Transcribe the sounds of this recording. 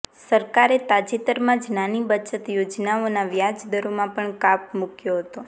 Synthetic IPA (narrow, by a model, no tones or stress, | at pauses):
səɾkaɾet̪ad͡ʒit̪əɾmãd͡ʒnanibət͡ʃət̪jod͡ʒnaonaʋjad͡ʒd̪əɾomãpəɳkap̚mukjoɦət̪o